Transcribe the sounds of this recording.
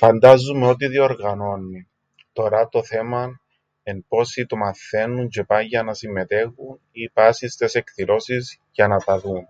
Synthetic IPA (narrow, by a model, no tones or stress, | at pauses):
fɐnd̪ɐzumeo̞t̪̬iðio̞ɾɣɐno̞nːi | t̪o̞ɾɐt̪o̞θe̞mɐn | enpo̞sit̪omɐθe̞nːunt͡ʃepaʝɐnɐsimːe̞t̪e̞xun | ipasist̪e̞se̞kθilo̞siz | ʝɐnɐt̪ɐðun